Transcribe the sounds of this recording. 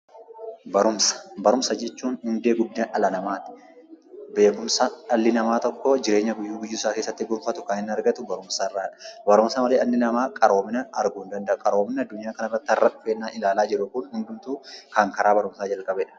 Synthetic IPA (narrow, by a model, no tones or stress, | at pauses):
bɐɾʊmsɐ̥bɐɾʊmsɐd͡ʒɛt͡ʃːuːnhʊnd̪e̞ːɡʊd̪ːaʔɐlɐnɐmaːt̪ɪ̥ | be̞ːkʊmsɐɐlːɪnɐmaːt̪ɔkːɔd͡ʒɪɾe̞ːɲːɐɡʊjːuːɡʊjːʊɪsaːke̞ːsːɐt̪ːɪɡʊɾfɐt̪ʊkɐnɪnːɐɾɡɐt̪ʊbɐɾʊmsɐɪrːaːᶑɐ̥bɐɾʊmsɐmɐleːʔɐlːɪnɐmaːkʼɐɾo̞ːmɪnɐɐɾɡʊnd̪ɐnd̪ɐʔkʼɐɾo̞ːmnɐɐd̪ːʊɲɪjaːkɐnɐrːɐt̪ːɪɐrːɐᶑʊfeːnːaːnʔɪlaːlaːd͡ʒɪɾʊkʊnhʊnd̪ʊmt̪uːkɐŋkɐɾaːbɐɾʊmsaːd͡ʒɐlkʼɐbɛᶑɐ̥